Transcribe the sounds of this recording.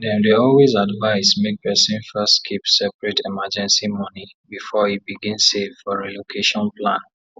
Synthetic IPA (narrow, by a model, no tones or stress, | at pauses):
dɛ̃ndeɔlwezadvaɪsmek̚pɛsĩnfɛstkʰipsɛpɹɛtʰɛmad͡ʒɛ̃nsimɔ̃ni | bifɔibiɡĩnsevfɔɹɛlokʰeʃɔ̃nplãn